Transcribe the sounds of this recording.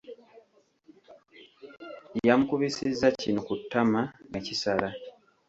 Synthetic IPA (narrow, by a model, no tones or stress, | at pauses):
jamukuβisizːacino̞kutʰːamaŋacisala